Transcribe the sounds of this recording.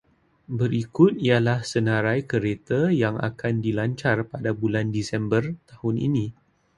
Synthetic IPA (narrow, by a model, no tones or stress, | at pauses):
bəɾikʊt̪̚ialahsənãɾajkəɾet̪ajaŋa̰kandilaɲt͡ʃarpadabulandisɛmbərt̪ahʊnʔḭnĩ